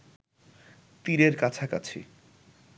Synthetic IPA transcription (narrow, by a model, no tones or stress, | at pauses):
t̪iɾeɾkat͡ɕʰaka̰t͡ɕʰḭ